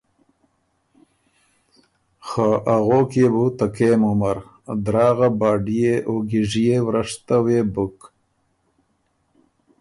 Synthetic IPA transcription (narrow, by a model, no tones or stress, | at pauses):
xaʔaɣoːkebut̪akeːmumaɾ | d̪ɾɑːɣabɑːɖijeʔoɡiʐijewɾaʂt̪aweːbuk